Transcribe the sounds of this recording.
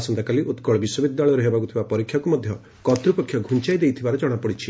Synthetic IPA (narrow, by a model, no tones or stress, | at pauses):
asɔnt̪akaliʔut̪kɔɭɔbiswɔbid̪jaɭɔjɔɾeɦebakut̪ʰibapɔɾikʰːjakumɔd̪ʱjɔ | kɔt̪ɾupɔkʰːjɔɡʱunt͡ʃajd̪ejt̪ʰibaɾed͡ʒɔɽ̃apɔɽit͡ʃʰi